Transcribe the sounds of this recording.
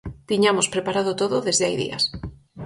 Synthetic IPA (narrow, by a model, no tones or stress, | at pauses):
t̪iɲamospɾepaɾað̞ot̪oðoðezðeajðḭa̰s